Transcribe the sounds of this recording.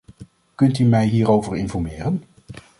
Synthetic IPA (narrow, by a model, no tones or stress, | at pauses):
kɵntymɛjɦiːɾowvəɹɪnfɔɹmɪːɾən